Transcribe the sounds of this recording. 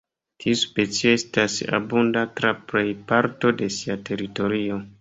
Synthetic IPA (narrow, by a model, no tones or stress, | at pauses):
tʰiuspe̞t͡sio̞e̞stasa̰bundatɾapɾejpaɾto̞de̞siatʰe̞ɾito̞ɾio̞